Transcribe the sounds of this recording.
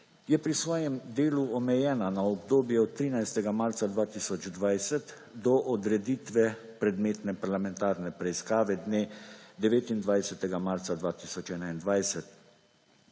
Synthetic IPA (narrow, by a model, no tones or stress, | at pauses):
jɛpɾisʋɔːjɛmd̪eːluɔmɛjɛːnanaɔbd̪oːbjɛɔt̪ːɾiːnajst̪ɛɡamaɾt̪sad̪ʋaːt̪iːsɔd͡ʒd̪ʋajsɛt̪ | d̪ɔʔɔd̪ɾɛd̪iːt̪ʋɛpɾɛd̪meːt̪nɛpaɾlamɛnt̪aːɾnɛpɾɛiskaːʋɛd̪neːd̪ɛʋeːt̪ind̪ʋajsɛt̪ɛɡamaɾt̪sad̪ʋaːt̪iːsɔt͡ʃɛːnaind̪ʋajsɛt̪